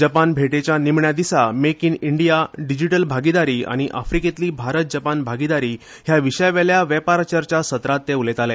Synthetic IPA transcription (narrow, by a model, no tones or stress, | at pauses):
d͡ʑəpanbʱeʈet͡ɕjanimɳjad̪isamekiniɳɖijaɖid͡ʑiʈəlbʱaɡid̪aɾiːa̰ɽ̃iʔa̰fɾiket̪liːbʱaɾət̪̚d͡ʑəpanbʱaɡid̪aɾiː | ɦjaʋiɕəjʋeljaʋɛpaɾt͡ɕəɾt͡ɕasət̪ɾat̪ːeulet̪alɛ